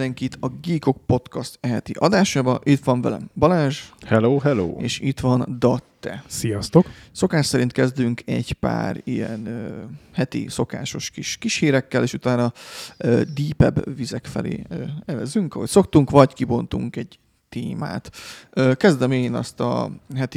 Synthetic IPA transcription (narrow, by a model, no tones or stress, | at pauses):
d̪ɛŋkit̪ʰɒɡiːko̞k̚po̞t̪kɒst̪ɛɦɛt̪iʔɒd̪aːʃaːbɒʔit̪ʋɒɱvɛ̰lɛ̰bɒlaːʒhɛloːɦɛlo̰ːeːʃit̪ʋɒnd̪ɒt̪ːɛ̰sijɒst̪o̞kso̞kaːʃsɛɾint̪̚kɛzd̪yŋkʰɛɟpa̰ːɾijɛ̰nøhɛt̪ḭso̞ka̰ːʃo̞ʃkiʃkiʃhiːɾɛkːɛleːʃut̪aːnɒøːd̪iːpɛ̰bvizɛkfɛ̰lḛːɛvɛzyŋkɒho̞cso̞k̚t̪uŋkʋɒckibo̞nt̪uŋkɛɟ | t̪eːma̰ːt̪øːkɛzd̪ɛmeːnɒ̰st̪ɒ̰ɦɛt̪i